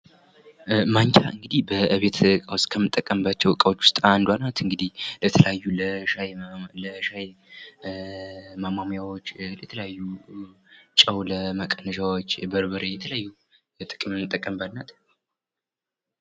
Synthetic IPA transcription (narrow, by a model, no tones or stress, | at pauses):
maɲt͡ʃʰa̰ʔɨŋɡɨd̪ihbəʔɨβe̞t̪ʰkʼawst̪kʰəmːɨt̪ʼːəkʼːəmbat͡ʃːɛwkʼawot͡ʃːwʊ̥st̪ʼand̪wanat̪ɨŋɡɨd̪ihlət̪ʰələjajːuləʃajləʃaj | mamamjawot͡ʃːlət̪ʰələjajːu | t͡ʃʼəwləməkʼənəʃawot͡ʃːbəɾbəɾejɛt̪ʰələjajːu | t̪ʼɨkʼɨmnɨt̪ʼːəkʼːəmbalnat̪